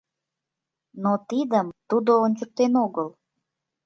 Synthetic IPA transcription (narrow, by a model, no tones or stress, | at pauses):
not̪id̪əmt̪ud̪oːnʲt͡ɕək̚t̪enoɣəl